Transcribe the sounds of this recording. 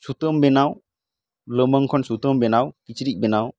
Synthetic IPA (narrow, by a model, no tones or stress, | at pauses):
sut̪əmbɛnaw | ləməŋkʰɔnsut̪əmbɛnawkit͡ʃɾiʔ̚bɛnaw